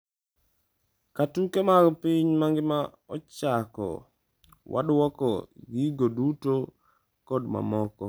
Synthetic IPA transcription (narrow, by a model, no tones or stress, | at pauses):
katukemaɾɔpiɲmaŋɡɪma | ɔt͡ʃakɔ̰ | wʔa̰dwɔkɔɡiɡoduto | kɔdma̰mɔkɔ